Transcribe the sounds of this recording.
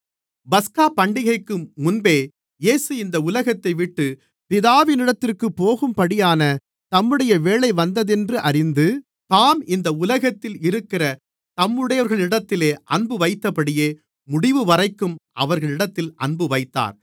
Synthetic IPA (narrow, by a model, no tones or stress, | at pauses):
bɐskaːpɐɳɖɪɣɐɪkːɯmːʊnbeː | jeːsɯɪnd̪ɐʊlɐɣɐt̪ːɐɪʋɪʈːɯ | pɪðaːʋɪnɪɽɐt̪ːɪrkɯpːoːɣɯmpɐɽɪjaːnɐ | t̪ɐmːɯɽɐjɐʋeːɭɐɪʋɐnd̪ɐðɛndrɯʔɐrɪnd̪ɯ | t̪aːmɪnd̪ɐʊlɐɣɐt̪ːɪlɪɾɯkːɪrɐ | t̪ɐmːɯɽɐjɐɾɣɐɭɪɽɐt̪ːɪleːʔɐnbɯʋɐɪt̪ːɐpɐɽɪjeː | mʊɽɪʋɯʋɐrɐɪkːɯmʔɐ̰ʋɐɾɣɐɭɪɽɐt̪ːɪlʔɐ̰ɳbɯʋɐɪt̪ːa̰ːɾ